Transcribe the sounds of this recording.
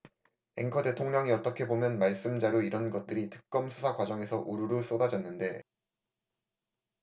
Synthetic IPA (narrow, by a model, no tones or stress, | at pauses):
e̞̰ŋkʰʌde̞tʰoŋɲʌŋiʌt͈ʌkʰe̞bomjʌnmaɭs͈ɯmd͡ʑaɾoiɾʌnɡʌt̚t͈ɯɾitɯk̚k͈ʌmsʰusʰakwad͡ʑʌŋe̞sʰʌʔuɾuɾɯɭs͈odad͡ʑʌnːɯnde̞